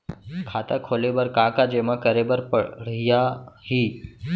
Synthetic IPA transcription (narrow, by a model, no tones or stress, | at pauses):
kʰaːt̪akʰoːlebəɾkaːkad͡ʑemãkəɾebəɾpəɽ̤ijahiː